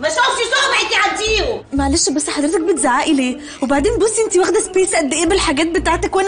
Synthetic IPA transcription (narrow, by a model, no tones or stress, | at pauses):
mæʃæfʃisɑbʕet̪iʕad̪ːiːhomæʕaleːʃbæsːħɑd̪ɾet̪æk̚bet̪zaʕaːʔileː | webaʕd̪eːnbosːʔent̪iwæxd̪æspeːsʔæd̪ːeʔeːbelħaɡæːt̪̚bet̪aːʕt̪ækwænæ